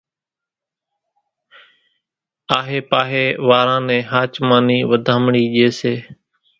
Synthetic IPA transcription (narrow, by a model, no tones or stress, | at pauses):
aːɦeːpaːɦeːʋaːɾãːnɛ̃ːɦaːt͡ʃmaːniːʋəd̪ʱãːmɳiːʄeːseː